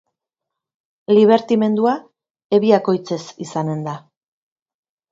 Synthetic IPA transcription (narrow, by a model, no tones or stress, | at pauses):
liβ̞e̞ɾt̪ime̞nd̪ua | e̞βiako̞jt͡se̞sisane̞nd̪a